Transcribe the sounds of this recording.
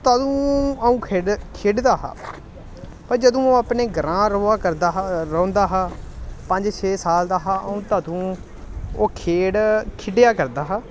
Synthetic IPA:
t̪ad̪ũːəũːkʰeɖkʰeːɖd̪aːɦa̰ː | pəɾd͡ʒəd̪õːoːapɳeːɡəɾãːɾoːaːkəɾd̪aɾə̃ːnd̪aːɦaːpəɲd͡ʒt͡ʃʰeːsaːld̪aːɦaːə̰ũːt̪at̪ũː | oːkʰeːɽkʰɪɖjaːkəɾd̪aːɦaː

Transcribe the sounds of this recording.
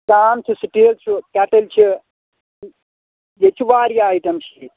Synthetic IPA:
kaːmt͡ʃʰisiʈilt͡ʃʰukɛʈɐlt͡ʃʰi | jet͡ʃʰuʋaːɾjaːjʈɐmt͡ʃʰi

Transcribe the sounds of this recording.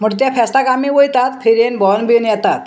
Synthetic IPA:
m̤əʈt̪jafʰɛsʈ̪akamiːʋojt̪at̪fʰeɾenbɔnbinjɛt̪at̪

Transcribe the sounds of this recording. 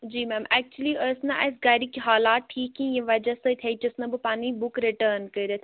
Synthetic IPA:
d͡ʒiːmɛ̃ːmɛːk̚t͡ʃuəliəsnɐʔɐ̰s̬ɡaːɾikiɦaːlaːt̪̚ʈʰːiːkĩjɐʋɐd͡ʒɐsɐt̪ʰeit͡ʃɐsnɐbɨpaːnibukɾiʈəːɾnkəiɾet̪ʰ

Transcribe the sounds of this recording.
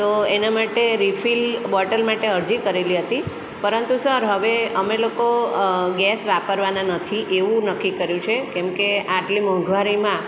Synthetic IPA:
t̪oenamaʈeɾifilbɔʈəlmaʈeəɾd͡ʒikəɾeliɦət̪i | pəɾənt̪usəɾɦəʋeəmelokoɡɛsʋapəɾʋananət̪ʰiʔeʋũnəkːikəɾjũt͡ʃʰekɛmkeaʈlimə̃ɡʋaɾimã

